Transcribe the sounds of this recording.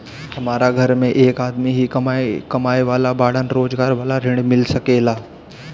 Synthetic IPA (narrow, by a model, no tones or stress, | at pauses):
hɐmaːɾaɡʱɐɾmẽʔeːkaːd̪miɦikɐmakɐmaːjʋaːlabaːɽənɾoːd͡ʒɡaːɾʋaːlaɾɪ̃ɳɖmɪlsɐkeːlaː